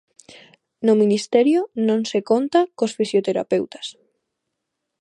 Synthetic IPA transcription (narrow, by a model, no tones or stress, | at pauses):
nominist̪ɛɾjonõŋsekont̪akosfisjot̪eɾa̰pewt̪ḁs